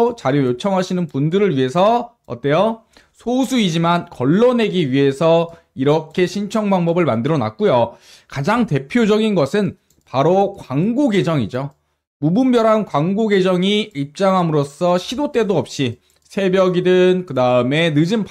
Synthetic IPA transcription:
t͡ɕaɾjojot͡ɕʰʌŋɦaɕʰinɯnpundɯɾɯɭɥiɦe̞sʰʌ | ʌ̰t͈e̞jo | sʰosʰuid͡ʑimankʌɭːʌne̞ɡiɥiɦe̞sʰʌ | iɾʌkʰe̞ɕʰint͡ɕʰʌŋbaŋbʌbɯɭmandɯɾʌna̰k̚k͈ujokad͡ʑaŋte̞pʰjod͡ʑʌɡinɡʌsʰɯn | paɾokwaŋɡoɡe̞d͡ʑʌŋid͡ʑo | mubumbjʌɾɦankwaŋɡoɡe̞d͡ʑʌŋiip̚t͡ɕ͈aŋɦamɯɾos͈ʌɕʰidot͈e̞doʌp̚ɕ͈i | sʰe̞bjʌɡidɯnkɯdaɯme̞nɯd͡ʑinp

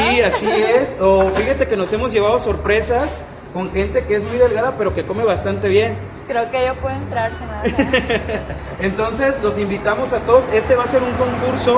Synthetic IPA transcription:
iasiesofixat̪e̞keno̞se̞mo̞zʝe̞βað̞o̞so̞ɾpɾe̞sas | ko̞ŋxe̞nt̪e̞kee̞zmujðelɣaðape̞ɾo̞ke̞ko̞me̞βast̪ant̪e̞βje̞n | kɾeokeejopweðoent̪ɾaɾsema | ent̪o̞nse̞slo̞simbit̪amo̞sat̪o̞ðo̞se̞st̪e̞βase̞ɾuŋko̞ŋkuɾso̞

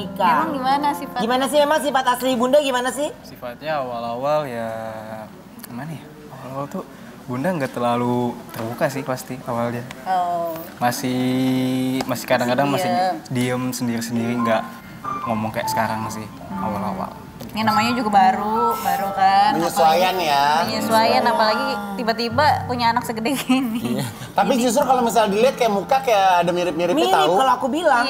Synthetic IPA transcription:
ikaŋɡimanasifaɡimanas̬ɪhmemaŋs̬ifat̪aslibundaɡimanasɪhsifat̪̚ɲaːwalawalja | əmanɪh | awalawalt̪u | bundaŋɡat̪əlalut̪ərbukasɪhpast̪iawala | masɪh | masɪ̥hkadaŋkadaŋmasɪdiəmsəndiɾisəndiɾiŋɡaʔ | ŋomɔŋkaja̰ʔsə̥kaɾaŋsɪh | a̰wala̰wa̰l | janamaɲad͡ʒuɡabaɾubaɾukauɲasuajaŋjaɲasuajanapalaɡit̪ibat̪ibapuɲaːnak̚səɡədakinɪ | t̪apid͡ʒus̬ʊɾkalomis̬aldilɛt̪̚kajaʔmukakajaːdamiɾɪp̚miɾɪmit̪aukaloakubilaŋ

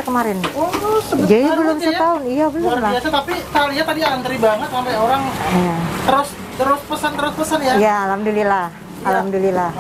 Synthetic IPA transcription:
kəmaɾɪnosəd͡ʒadibəlʊmsət̪aʊnijabəlʊmlaiasat̪apit̪aliat̪adiant̪əɾibaŋət̪̚sampajoɾaŋjat̪əɾʊs | t̪əɾʊspəsant̪əɾʊspəsanjajaːlamdililah | alamdilila

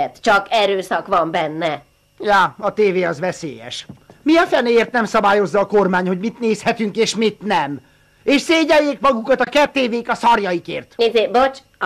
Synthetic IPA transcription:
ɛt̪t͡ʃɒkɛɾøːsɒkʋɒmbɛnːɛ | jaːɒt̪eːveːɒzʋɛsḛːjɛ̰ʃmiɒfɛneːeːrt̪nɛmsɒbaːjo̞zːɒːkormaːɲho̞ɟmit̪neːshɛt̪yŋkeːʃmit̪nɛm | eːʃseːɟɛjːeːkmɒɡukɒt̪ɒkɛt̪ːeːveːkɒsɒrjɒjikeːrt̪ezebot͡ʃ

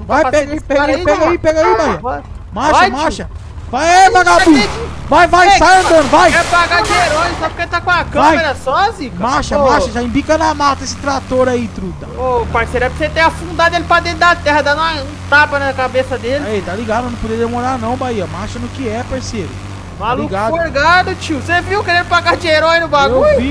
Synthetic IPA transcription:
vajpɛɡipɛipɛɡaipɛɡɐibaiɐ | maʃɐmaʃɐ | vajɛvaɡauivajvajsajɐ̃nd̪ɐ̃nd̪ʊvajɛpaɡad͡ʒeɾɔjsabpʊ̥ɾkelɪt̪akõɐkɐvãjmeɾɐsɔzikmaʃɐmaʃɐʒaĩbikɐnamat̪ɐesɪ̥t̪ɾat̪oɾait̪ɾut̪ɐoʊpaɾsejɾʊɛpɾset̪ẽɐfũd̪ad̪elɪpɾad̪ẽt̪ɾʊd̪ɐt̪ɛhɐd̪ãnũɐũt̪apɐnɐkabesɐd̪elɪet̪aliɡad̪ʊnɐ̃pod͡ʒiɐd̪emoɾanɐ̃w̃baiɐmaʃɐnʊkɪɛpaɾsejɾʊ̰ | maluiɡad̪ɾɡad̪ʊt͡ʃiwseviwkeɾẽnd̪ʊpaɡad͡ʒɪeɾɔjnʊbaɡewvi

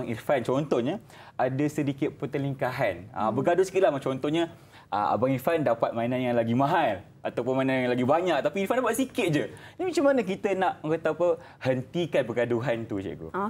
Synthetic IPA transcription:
ŋifant͡ʃɔnt̪ɔhɲã | adasədikɪt̪̚pət̪əliŋkaɦana̰bəɡadʊsi̥kit̪lahmat͡ʃɔnt̪ɔɲa | ʔə̰a̰baŋifandapat̪̚mainãnjaŋlaɡimãɦal | at̪awpʊnmanãnjaŋlaɡibaɲãk̚t̪apiirfandapaʔ̪sikɪt̪̚d͡ʒədamat͡ʃamanək̬it̪ənaʔkət̪apə | hənt̪ikanpəɡaduɦant̪ud͡ʒa̰ʔɡo̰

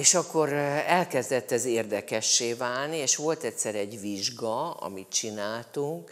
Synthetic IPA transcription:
eːʃɒkːo̞ɾɛlkɛzd̪ɛt̪ːɛzeːrd̪ɛkɛʃːeːvaːlnieːʃʋo̞lt̪ɛcʲsɛɾɛɟʋiʒɡɒɒ̰mit̪t͡ʃinaːlt̪uŋk

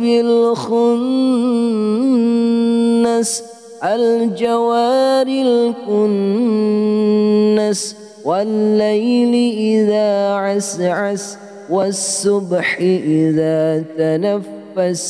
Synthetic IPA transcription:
bɪlxʊn | as | ʔald͡ʒawaːɾɪlkʊn | as | walːajlɪʔɪðaːʕasʕas | wasːʊbħɪʔɪðaːt̪anafːas

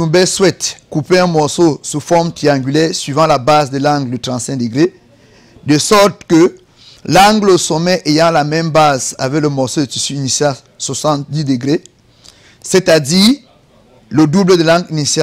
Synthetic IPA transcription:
ũbɛswɛt̪kupeɛ̃mɔʁsosufɔʁmt̪ʁiɑ̃ŋɡʲylɛʁsɥivɑ̃labazd̪əlɑ̃ŋɡldət̪ʁɑ̃t̪sɛ̃d̪əɡʁe | d̪əsɔʁt̪kə | lɑ̃ŋɡlosomɛʔejɑ̃lamɛmbaza̰vɛkləmɔʁsod̪ət̪isyːnisjal | swasɑ̃t̪̚d̪id̪əɡʁe | set̪ad̪iː | ləd̪ubləd̪əlɑ̃ŋɡinisja

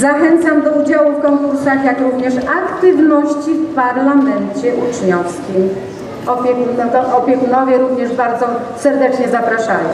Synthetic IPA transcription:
zaxɛnt̪samd̪ɔud͡ʑawufkɔŋkuɾsaxjakɾuvɲɛʂakt̪ɨvnɔɕt͡ɕifpaɾlamɛnt͡ɕɛʔut͡ʂɲɔfskʲim | ɔpʲjɛkunɔt̪ɔʔɔpʲjɛkunɔvʲjɛɾuvɲɛʐbaɾd̪zɔ | sɛɾd̪ɛt͡ʂɲɛzapɾaʂajɔ̰̃

